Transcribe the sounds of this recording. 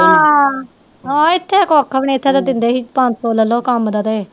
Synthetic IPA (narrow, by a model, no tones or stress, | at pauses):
ã | aːɪt̪ʰːekɔːkʰːəpɳeːt̪ʰːeːt̪ad̪ɪnd̪eːɦiːpãnoːləlːoːkəmd̪at̪eː